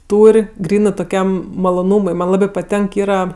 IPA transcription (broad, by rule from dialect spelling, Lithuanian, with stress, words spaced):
ˈtuːrʲ ˈɡrʲiːnɜ toːˈkʲɛm mɐlˠoːˈnuːmʊɪ ˈmɐnʲ ˈlˠɑːbʲɪ pɐˈtʲɛŋk ˈiːrɐ